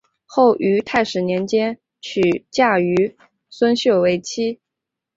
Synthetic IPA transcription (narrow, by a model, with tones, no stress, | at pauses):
xo˥˩ʊʔy˧˥t̪ʰa˥˩ɪʂɻ̩˨˩njɛ˧˥nt͡ɕjɛ˥n | t͡ɕʰy˨˩t͡ɕja˥˩y˧˥ | swə˥nɕjo˥˩ʊwe˧˥ɪt͡ɕʰi˥